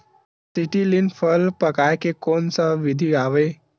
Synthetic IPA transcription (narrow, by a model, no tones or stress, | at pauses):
siʈilinpʰəlpəkajkekonsəʋid̪ʱiaʋe